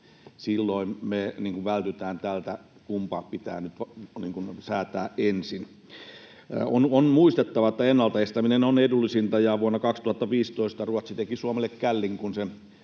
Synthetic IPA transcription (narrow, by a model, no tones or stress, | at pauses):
silːoˑinmeniːŋkuʋʋælt̪yt̪æːnt̪ælt̪æ | kumpɑːppit̪æ̰ːnyt̪ʋnḭːŋkunsæːt̪æːʔʔensin̰ | ononmuist̪et̪ːɑʋɑet̪ːæenːɑlt̪ɑest̪æminenonedulːisint̪ɑjɑʋuonːɑkɑkst̪uhɑt̪ːɑʋiːst̪oˑist̪ɑruot̪sit̪ekisuomelːˑekkælːiŋkunse